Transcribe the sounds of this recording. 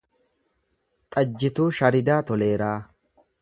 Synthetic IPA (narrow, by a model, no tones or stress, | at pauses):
t̪ʼɐd͡ʒːɪt̪uːʃɐɾɪd̪aːt̪ɔleːɾaː